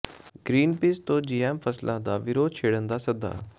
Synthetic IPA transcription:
ɡɾiːnpiːst̪õːd͡ʒiːɛːmpʰəslʔãːd̪aːʋɪɾoːd̪̚t͡ʃʰeːɽənd̪aːsəɡ̚d̪a̰ː

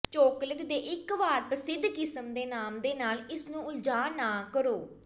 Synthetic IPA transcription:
t͡ʃoːkləɡd̪eːʔɪkʋaːɾpɾəsɪd̪ʱːkɪsəmd̪eːnaːmd̪eːnaːlɪsnũːʊld͡ʒaːnaːkəɾoː

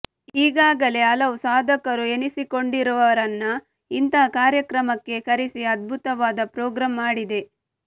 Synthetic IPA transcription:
iːɡaːɡɐle̞ɐlɐʋsaːd̪ʱɐkɐɾue̞nisiko̞ɳɖiɾuʋɐʋɐɾɐnːɐ | int̪ɐkaːɾjɐkɾɐmɐkːe̞kɐɾisiɐd̪̚bʱut̪ɐʋaːd̪ɐpɾoːɡɾaːmːaːɽid̪e̞

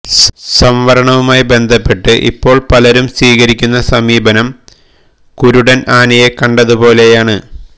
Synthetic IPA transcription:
sɐmʋɐɾɐɳɐʋumaːjibe̞nd̪ʱɐpːe̞ʈːɨʔḭpːo̞ːɭpɐlɐɾumsʋiːɣɐɾikʲːunːɐsɐmiːbɐnɐm | kuɾuɽɐnaːnɐjekɐɳɖɐðupo̞ːle̞jaːɳɨ

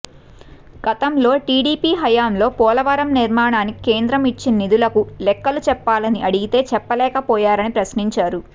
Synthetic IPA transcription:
ɡ̥ɐt̪ɐmlo̞ːʈiːɽiːpiːɦɐjaːmlo̞ːpɔːlɐʋɐɾɐmniɾmaːɳaːnikike̞ːnd̪ɾɐmit͡ʃːinɐnid̪ulɐkulɛkːɐlut͡ʃɛpːaːlɐniʔɐɽiɡit̪e̞ːt͡ʃɛpːɐlɛːkɐpɔːjaːɾɐnipɾɐsniɲt͡ʃaːɾu

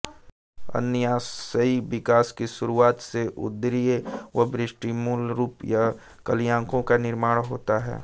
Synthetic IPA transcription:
ɐ̰nəjaːsəiʋɪkaːskiʃʊɾuaːt̪seʔʊ̰d̪ɾieʋobɾɪsʈimuːlɾuːpja | kɐlijãːŋkõkanɪɾmaːɽɦoːt̪aɦɛ̰ː

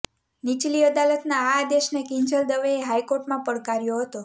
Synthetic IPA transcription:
nit͡ʃliəd̪alət̪naːd̪eʃnekɪ̃ɲd͡ʒəld̪əʋeːɦajkoɾʈmãpəɽkaɾjoɦət̪o

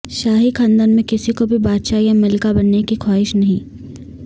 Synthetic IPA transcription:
ʃaːɦikʰãːnd̪ənmẽkɪsikobʱibaːd̪ʃajamɪlkabɐnːekikʰaːɪʃnɐɦĩː

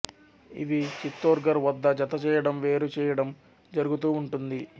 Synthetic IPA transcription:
ḭʋit͡ʃit̪ːoːɾɡɐɾʋɐd̪ːɐd͡ʒɐt̪ɐt͡ʃɛːjɐɽɐmʋe̞ːɾut͡ʃɛːjɐɽɐm | d͡ʒɐɾuɡut̪uːuɳʈund̪i

